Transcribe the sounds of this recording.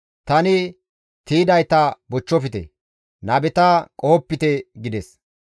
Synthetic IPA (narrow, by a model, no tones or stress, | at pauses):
t̪ɐnɪ | t̪iːd̪ɐjt̪ɐbɔt͡ʃːɔfɪt̪ɛ̰ | nɐːbɛt̪ɐkʼoːɔpːɪt̪ɛɡɪd̪ɛs